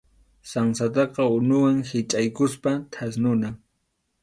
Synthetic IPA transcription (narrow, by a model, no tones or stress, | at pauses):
saŋsat̪̬ɑqɑʊnʊwaŋhɪt͡ʃʼajkʊspat̪ʰas̬nʊnaŋ